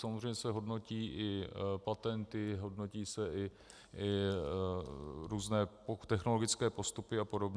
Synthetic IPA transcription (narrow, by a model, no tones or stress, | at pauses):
samozrɛjɲɛsɛɦo̞dno̞ciːʔɪpat̪ɛnt̪ɪɦo̞dno̞ciːsɛʔɪ | ʔɪ | ɾuːznɛːpot̪ɛxno̞lo̞ɡɪt͡skɛːpo̞st̪upɪapo̞do̞bɲɛ